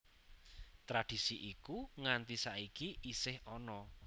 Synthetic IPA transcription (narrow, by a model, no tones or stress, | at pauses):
t̪ɾad̥i̤siʔikuŋant̪isaikiʔisɪhɔnɔ